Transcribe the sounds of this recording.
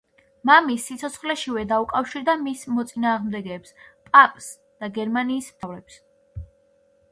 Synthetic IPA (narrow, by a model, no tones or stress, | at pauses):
mamisːit̪sʰɔt̪sʰχlɛʃivɛd̪aukʼafʃiɾd̪amismɔt̪sʼinaːʁmd̪ɛɡɛːpspʼapʼs | d̪̥aɡɛɾmaniːst̪ʰavɾɛps